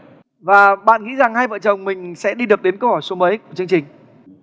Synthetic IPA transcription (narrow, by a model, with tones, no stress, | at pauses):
vaː˨˩ɓa̰ː˧˨nŋḭ˧˥za˨˩ŋhaː˧jvə̰ː˧˨t͡ɕə˨˩wŋ͡mmï˨˩ŋ̟sɛ̰˧˥ɗi˧ɗɨ˨˩p̚ɗe˨˦nkə˧whɔ˧˩jso˨˦mə˨˦jku˧˩ət͡ɕɨ˧əŋt͡ɕï˨˩ŋ̟